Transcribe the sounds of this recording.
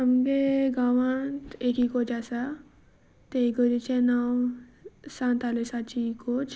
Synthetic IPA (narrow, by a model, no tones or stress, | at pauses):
amɡeɡaʋãnt̪ekikot͡ɕasa | t̪eɡəɾit͡ɕenaw | sãnt̪alesat͡ɕikot͡ɕ